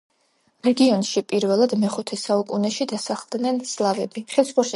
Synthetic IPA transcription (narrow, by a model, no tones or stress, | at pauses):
ɾɛɡiɔnʃipʼiɾvɛlˠad̪mɛχut̪ʰɛsaukʼunɛʃid̪asaχlˠd̪nɛnslˠavɛbiχɛsχɔɾʃ